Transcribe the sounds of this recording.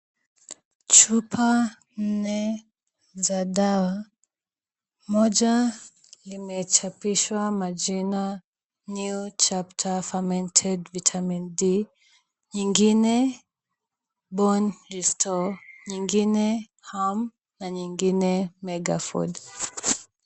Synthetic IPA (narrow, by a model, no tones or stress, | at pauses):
t͡ʃupʰa | n̩nɛ | zaɗawa | mɔd͡ʒa | limɛt͡ʃapiʃwamad͡ʒina | njut͡ʃaptʰafamɛntʰɛdvitʰamindi | ɲiŋɡinɛ | bɔnɾistʰɔɲiŋɡinɛ | ham | naɲiŋɡinɛmɛɡa̰fɔ̰d